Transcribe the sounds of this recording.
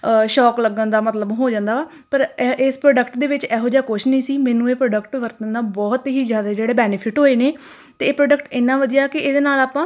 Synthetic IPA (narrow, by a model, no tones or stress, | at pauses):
ʃɔːkləɡə̃nd̪aːmət̪ləbɦoːd͡ʒãːnd̪aːaː | pəɾɪspɾoːɖəkʈd̪eːʋɪt͡ʃɛːɦoːd͡ʒaːkʊʃnĩːsiːmɛ̃ːnũːeːpɾoːɖəkʈʋəɾt̪ənːaːbɔːt̪ɦiːzjaːd̪aːd͡ʒeːɽeːbɛːnɪpʰɪʈɦoːeːneː | t̪eːpɾoːɖəkʈɪːnːãːʋəd̪ijaːkɪʔeːd̪eːnaːlaːpãː